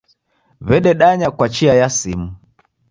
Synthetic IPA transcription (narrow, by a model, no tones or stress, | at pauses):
βɛɗɛɗaɲakwat͡ʃiajasimu